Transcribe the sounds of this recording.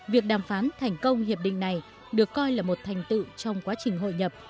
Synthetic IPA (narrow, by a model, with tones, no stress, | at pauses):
vi˨˩ək̚ɗaː˨˩mfaː˨˦nt̪ʰa˨˩jŋ̟kə˧wŋ͡mhi˨˩əp̚ɗḭ˧˨ŋ̟na˨˩j | ɗɨ˨˩əkːɔ˧jlaː˨˩mo˨˩t̚t̪ʰa˨˩jŋ̟t̪ɨ̰˧˨t͡ɕɔ˧wŋ͡mkwaː˨˦t͡ɕï˨˩ŋ̟ɦo̰˧˨jɲə˨˩p̚